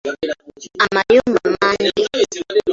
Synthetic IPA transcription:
amajumamandi

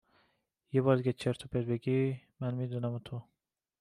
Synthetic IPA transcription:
jebɒːɾd̪iɡʲet͡ʃʰeɾt̪ʰobed̪̚beɡi | mænmid̪unæmt̪ʰo

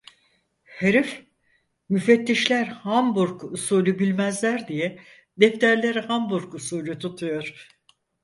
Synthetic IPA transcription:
heɾif | myfɛt̪ʰːiʃlʲæɾhambuɾkusuːlʲybilʲmæzlʲæɾd̪ijɛ | d̪ɛft̪ʰæɾlʲeɾihambuɾkusuːlʲyt̪ʰut̪ʰujo̞ɾ̥

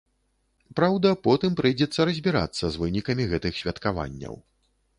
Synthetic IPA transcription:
pɾawd̪ɐpɔt̪ɨmpɾɨjd͡zʲɛt̪sːɐɾɐzʲbʲiɾa̰t̪sːɐzvɨnʲikɐmʲiɣɛt̪ɨxsʲvʲɐt̪kava̰nʲːɐ̰w

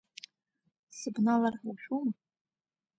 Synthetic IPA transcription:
sɨbnalarħuʃᶣum

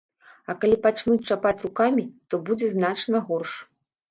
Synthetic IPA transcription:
ɐkalʲipat͡ʂnut͡s̚ʲt͡ʂapat͡sʲrukamʲit̪ɔbud͡zʲɛznat͡ʂnɐɣɔrʂ

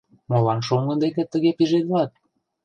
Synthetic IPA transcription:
molɑnʃoŋɡə̆nd̪ekĕt̪ːə̆ɣepiʒet̪̚βlɑt̪̚

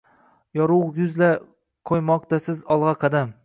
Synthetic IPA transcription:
jɒɾujʊzla | kʰojmɒq̚t̪asɪzɒlˠʁɑqʰɑd̪am

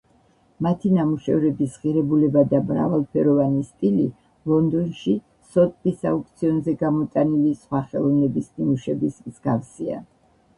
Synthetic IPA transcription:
mat̪ʰinamuʃɛ̰vɾɛbisʁiɾɛbulɛbad̪amɾa̰valˠpʰɛɾɔvanist̪ʼili | lˠɔnd̪ɔnʃi | sɔt̪ʼpʼisauk̚t̪sʰiɔnzɛɡamɔt̪ʼanilisχwaχɛlˠɔnɛbisnimuʃɛbismzɡafsia̰

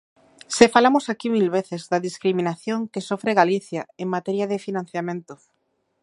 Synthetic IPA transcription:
sefalamosakimilβeθezðaðiskɾimĩnaθjoŋkesofɾeɣaliθjaeŋmat̪ɛɾjaðefinãn̟θjamẽnt̪o

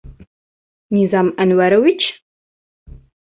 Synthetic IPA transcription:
nizamʔɐnwɐɾɐwit͡ʃʰː

